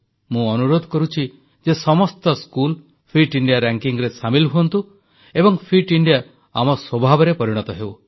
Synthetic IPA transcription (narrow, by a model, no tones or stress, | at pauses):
mũɔnuɾod̪ʱɔkɔɾut͡ʃʰi | d͡ʒesɔmɔst̪ɔskul | pʰɾiʈiɳɖijaɾaŋkiŋɾesamilɦuɔnt̪u | ebɔŋpʰiʈiɳɖija | amɔswɔbʱabɔɾepɔɾiɽ̃ɔt̪ɔɦew